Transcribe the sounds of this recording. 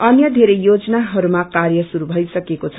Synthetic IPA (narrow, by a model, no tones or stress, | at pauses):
ʌnjʌd̪ʱeɾejod͡zʌnaɦʌɾumakarjʌsuɾubʱʌjsʌkekot͡sʰʌ̥